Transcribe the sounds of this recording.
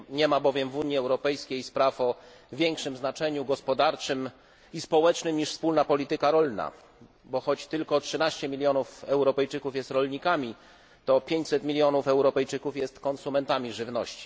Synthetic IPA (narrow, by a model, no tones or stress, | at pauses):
ɲɛmabɔvʲjɛmvuɲjiɛwɾɔpɛjskʲejspɾafɔ | vʲjɛŋkʂɘmznat͡ʂɛɲuɡɔspɔd̪aɾt͡ʂɘm | ispɔwɛt͡ʂnɘmɲiʂfspulnapɔlʲit̪ɘkaɾɔlna̰ | bɔxɔt͡ɕt̪ɘlkɔtʂɘnaɕt͡ɕɛmʲilʲjɔnufɛwɾɔpɛjt͡ʂɘkufjɛst̪ɾɔlɲikamʲi | t̪ɔpʲjeɲt͡ɕsɛt̪mʲilʲjɔnufɛwɾɔpɛjt͡ʂɘkufjɛst̪kɔnsumɛnt̪amʲiʐɘvnɔɕt͡ɕi̥